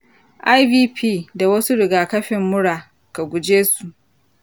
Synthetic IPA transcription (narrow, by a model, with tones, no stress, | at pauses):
ʔa˦jbiː˦pʰiː˦˨da˨wɐ˦su˦ɽɪ˨ɡaː˨kɐ˦ɸɪ˨mːʊ˦ɽaː˨ | ka˨ɡʷʊ˨d͡ʒeː˦su˨ʔ